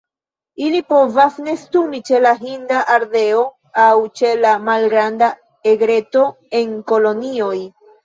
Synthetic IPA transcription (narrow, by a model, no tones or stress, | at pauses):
ilipo̞vasne̞stumit͡ʃe̞laɦindaʔaɾde̞o̞ | awt͡ʃe̞lamalɡɾanda | eɡɾe̞to̞ | e̞ŋko̞lo̞nio̞j